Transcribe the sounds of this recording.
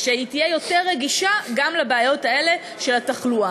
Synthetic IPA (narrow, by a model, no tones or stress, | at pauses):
ʃeitijejo̞teʁːeɡiʃaɡamlabeajo̞tae̞le̞ | ʃe̞lataχlua